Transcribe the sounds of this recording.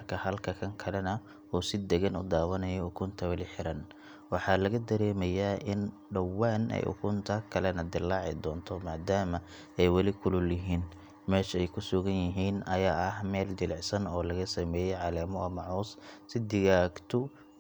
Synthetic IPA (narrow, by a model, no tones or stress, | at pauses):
rkʰɐhɐlkʰɐkʰɐŋkʰɐlɛnɐ | ɔːsɪd̪ɛɣɐnʊ̰d̪aːwɐnɐjɔʊkʰʊnt̪ʰɐwɐlɪħɪɾɐn | wɑħɑlɐɣɐd̪ɐɾɛːmɐjaːʔɪn | ɖɐwaːnɛ̰jʔʊ̰kʰʊnt̪ʰɐkʰɐlɛnɐd̪ɪlːɑːʕɪ̰d̪ɔːnt̪ʰɔmaːd̪aːmɐ | ɛjwɑlɪkʰʊlʊlɪɦiːn | mɛːʃɛjkʰʊsʊɣɐnjɪɦiːnɐjaːɐhmɛːld̪ɪlɪʕsɐnɔːlɐɣɐsɐmɛːjɛjʕɑlɛːmɔʔɐmɐʕɔːssɪd̪ɪɣaːɡt̪ʰʊ